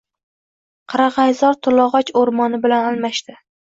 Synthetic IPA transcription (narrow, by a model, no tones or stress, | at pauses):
qʰɑɾɑʁɑjzɒɾt̪ʰʊlˠɒʁɒt͡ʃoɾmɒnɪbɪlanalˠmaʃt̪ɪ